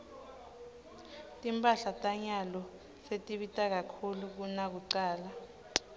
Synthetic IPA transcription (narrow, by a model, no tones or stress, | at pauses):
tʼimpʼaɬatʼaɲalɔ | setʼiɓitʼak̬akʰuluk̬unak̬uǀaːla